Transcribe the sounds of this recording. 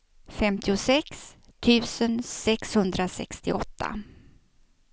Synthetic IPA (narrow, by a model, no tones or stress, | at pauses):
fɛmt̪ʰɪʊsɛkst̪ʰʉ̟ːsənsɛkshɵnd̪ɾasɛ̰kst̪ɪ̰ʔɔt̪ʰːa̰